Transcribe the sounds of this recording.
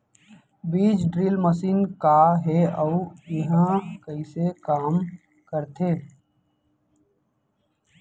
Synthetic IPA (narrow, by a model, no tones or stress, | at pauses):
biːd͡ʒɖɾiːlməsiːnkaɦɛəujɪɦə̃kəisekaːm | kəɾt̪ʰeː